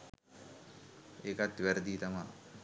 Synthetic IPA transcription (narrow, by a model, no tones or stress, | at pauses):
eːkat̪ʋæɾəd̪iːt̪ama̰